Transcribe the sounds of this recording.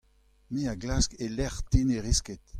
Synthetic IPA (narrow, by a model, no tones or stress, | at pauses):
meaɡlaskelɛʁt̪ineʁisket̪